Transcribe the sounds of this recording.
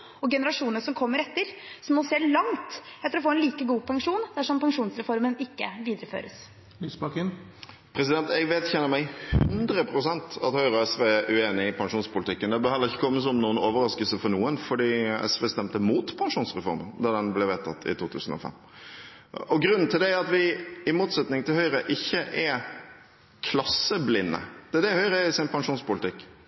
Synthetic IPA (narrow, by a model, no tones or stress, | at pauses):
ɔɡɛnəɾɑʂuːnəsɔmkʰɔmːəɾɛt̪ːəɾsɔmɔseːlɑŋt̪ɛt̪ːəɾɔfoːɾɛnliːkəɡuːpʰɑŋʂuːnd̪æʂɔmpɑŋʂuːnsɾɛfɔɾmənɪkːə̰ʋiːd̪əɾəfø̰ːɾəs | lyːsbɑkɪn | pʰɾɛsɪd̪ɛnt̪ɛɡʋeːd̪çɛnːəɾmæɪhʉnd̪ɾəpʰɾʊsɛnt̪ɑ̰t̪hœʏɾəɔɛsʋeːʔʉeːnɪɪpʰɑŋʂuːnspʊlɪt̪ɪkːənd̪ɛbəɑːd̪ləʁɪçːəkʰɔmːəs̬ɔmnuːənoːʋəɾɑskəlsəfɔɾnuːənfɔɖiːɛ̰sʋeːst̪ɛmt̪əmuːt̪pʰɑŋʂuːnsɾɛfɔ̰ɾmənd̪ɑd̪ɛnblɛʋeːt̪ʰɑt̪ʰːɪ̰t̪ʰuːt̪ʰʉːsən̩ɔ̰fɛ̰m | ɔɡɾʉnn̩t̪ʰɪld̪ɛæɾɑt̪ʋɪɪmuːt̪sɛt̪nɪŋt̪ʰɪlhœʏɾəʔɪçːəʔɛ | kʰlɑsːəblɪnːə̰d̪̥ɛd̪ɛhœʏɾəɛɪsɪnpʰɑŋʂuːnspʊlɪt̪ʰɪkː